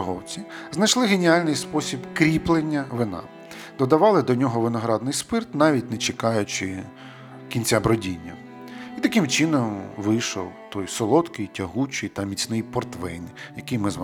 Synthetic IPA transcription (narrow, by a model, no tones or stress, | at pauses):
ɦɔwt͡sʲiznɐjt͡ʃlˠɪɦenʲialʲnɪjspɔsʲibkɾʲiplˠenʲːɐʋɪnɑ̰ | d̪̥ɔd̪ɐʋɑlˠɪd̪ɔnʲɔɦɔʋɪnɔɦɾɑd̪nɪjspɪrt̪nɑʋʲit̚ʲnet͡ʃekɑjʊt͡ʃɪ | kʲinʲt͡sʲabɾɔdʲinʲːɐ | it̪ɐkɪmt͡ʃɪnɔmʋɪjʃɔ̰wt̪ɔjsɔlˠɔt̪kɪjtʲɐɦut͡ʃɪjt̪ɐmʲit͡sʲnɪjpɔrt̪ʋɛjnɪjɐkɪjmɪzʋ